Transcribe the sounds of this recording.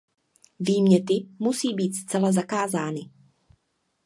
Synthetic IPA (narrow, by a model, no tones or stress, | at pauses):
viːmɲɛt̪ɪmusiːbiːt̪st͡sɛlazakaːzaːnɪ